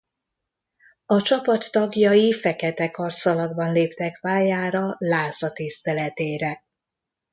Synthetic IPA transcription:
ɒt͡ʃɒpɒt̪ːɒɡjɒjifɛkɛt̪ɛkɒrsɒlɒɡbɒnleːpt̪ɛkʋaːjaːɾɒlaːzɒt̪ist̪ɛlɛt̪eːɾɛ

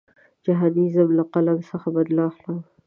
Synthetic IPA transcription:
d͡ʒaɦɑd̪izamlaqalamsəxabad̪lɑxam

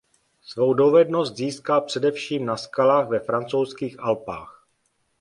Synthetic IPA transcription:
svo̞wdo̞vɛdno̞st̪ziːskalpr̥ɛdɛfʃiːmnaskalaːxvɛfɾant͡sowskiːxʔalpaːx

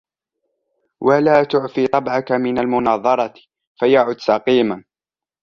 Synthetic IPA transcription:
wʔalaːt̪ʊʕfiːt̪ˤɑbʕakamɪnalmʊnɑːðˤɑɾˤɑ | fajaʕʊd̪sɑqiːman

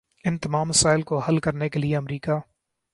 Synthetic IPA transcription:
ɪ̃nt̪ɐmaːmːɐsaːɪlkoɦɐlkɐɾnekelieɐmɾiːkaː

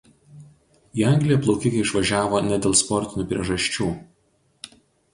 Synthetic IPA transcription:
iːɐˑŋʲɡlʲɪjɛplˠɔʊkʲɪkɐɪɪʃʋɐʒʲæːʋoːnʲɛd̪ʲeːlˠspɔɾʲt̪ʲɪnʲuːpʲɾʲiɛʒɐʃʲt͡ʃʲuː

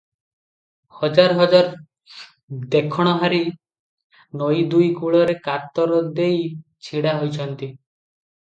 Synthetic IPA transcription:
hɔd͡ʒaɾɦɔd͡ʒaɾ | d̪ekʰɔɽ̃ɔɦaɾi | nojd̪ujkuɭɔɾekat̪ːɔɾɔd̪ejt͡ʃʰiɽaɦojt͡ʃʰɔnt̪i

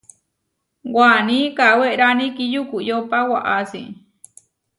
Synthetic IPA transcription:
wanikaweʔɾanikijukujopawaʔasḭ

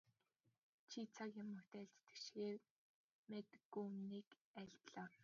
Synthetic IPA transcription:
t͡ɕʰit͡sʰakjʊmːɵt̪æːɮt̪t̪ĕ̥ʃxeːr | met̪ɡumniːk | æɮt̪ɮɔːw

